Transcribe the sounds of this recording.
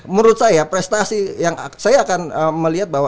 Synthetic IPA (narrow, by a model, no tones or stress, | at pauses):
məɾʊt̪̚sajapɾɛst̪asijaŋsajaːkanəməliɦat̪̚baɦwa